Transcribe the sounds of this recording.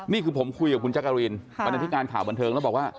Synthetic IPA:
niː˥˩kʰɯː˧pʰo˩˦mkʰu˧jka˨˩kʰu˧nt͡ɕa˦˥kːa˧ɾiː˧nba˧na˧t̪ʰi˦˥kaː˧nkʰaː˩wba˧nt̪ʰɤː˧ŋlɛ˦˥˩bɔː˨˩kwaː˥˩

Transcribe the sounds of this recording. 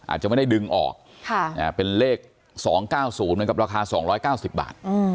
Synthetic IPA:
ʔa̰ː˨˩t̪̚t͡ɕa˨˩m˥˩da˥˩jdɯ˧ŋʔɔ̰ː˨˩k̚ | kʰa˥˩ʔa˨˩pe˧nleː˥˩k̚ | sɔː˩˦ŋkaː˥˩wsuː˩˦nmɯ˩˦ka˨˩ɾaː˧kʰaː˧sɔː˩˦ŋɾɔː˦˥jkaː˥˩wsi˨˩p̚ba̰ː˨˩t̪̚ɯː˧˩

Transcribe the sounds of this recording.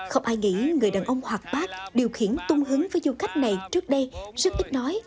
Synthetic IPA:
xə˧wŋ͡mʔaː˧jŋḭ˧˥ŋɨ˨˩əjɗaː˨˩nʔə˧wŋ͡mhwaː˨˩k̚ɓaː˦˥k̚ɗi˨˩əwxḭ˧˩ənt̪ʊ˧ŋ͡mɦɨ˨˦əŋvəː˨˦jzu˧ka˦˥jk̟̚na˨˩jt͡ɕɨ˦˥ək̚ɗə˧jzə˦˥t̚ʔ̪ï˦˥k̚nɔ˨˦j

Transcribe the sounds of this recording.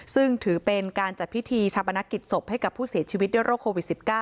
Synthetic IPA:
sɯ˥˩ŋt̪ʰɯː˩˦pe˧nkaː˧nt͡ɕa˨˩t̪̚pʰi˦˥t̪ʰiː˧t͡ɕʰaː˧˥pːa˧na˦˥kːi˨˩t̪̚so˨˩p̚ha˥˩jka˨˩pʰːuː˥˩si˨˩˦t͡ɕʰiː˧wi˦˥t̪̚du˥˩jɾoː˥˩kʰːoː˧wi˨˩t̪̚si˨˩p̚kaː˥˩

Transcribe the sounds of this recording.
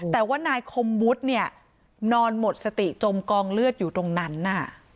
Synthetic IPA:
t̪ɛː˨˩waː˥˩naː˧jkʰo˧mːu˦˥t̪̚ni˥˩ɐ | nɔː˧nmo˨˩t̪̚sa˧t̪i˨˩t͡ɕo˧mkɔː˧ŋlɯ˥˩ət̪̚juː˨˩t̪o˧ŋna˦˥nːa˧˥˩

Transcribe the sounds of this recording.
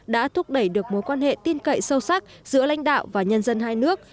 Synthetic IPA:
ɗa̰ː˧˥t̪ʰʊ˦˥k͡p̚ɗə˧˩jɗɨ˨˩ək̚mo˨˦jkwaː˧nhḛ˧˨t̪i˧nkə̰˧˨jsə˧wsa˦˥k̚z̥ɨ̰˧˥əla̰˧˥jŋ̟ɗa̰ː˧˨wvaː˨˩ɲə˧nzə˧nɦaː˧jnɨ˦˥ək̚

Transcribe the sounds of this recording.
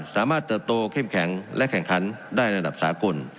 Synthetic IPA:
saː˩˦maː˥˩t̪ːɤː˨˩t̪̚ːoː˧kʰeː˥˩mkʰɛ˩˦ŋlʔɛ˦˥ʔkʰɛ˨˩ŋkʰa˩˦n | daː˥˩jda˨˩p̚sa̰ː˩˦ko˧n

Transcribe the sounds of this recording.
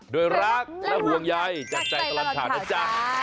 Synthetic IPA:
doː˧jɾa˦˥˩k̚laɛ˦˥˩bu˧əŋja˧jt͡ɕa˨˩t͡ɕa˨˩jka˧la˨˧˩m̚t̪ʰaː˨˦nʔa˧˩t͡ɕaː˧˩

